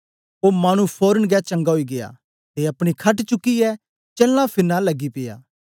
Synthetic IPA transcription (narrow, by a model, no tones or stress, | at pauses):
oːmaːñũpʰoːɾənɡat͡ʃɐ̃ŋɡaɦoiɡeja̰ː | t̪eːɐpɽ̃ikʰɐʈt͡ʃʊkːiɛ | t͡ʃɛːlːãpʰɪɾnalɐɡːipɪja̰ː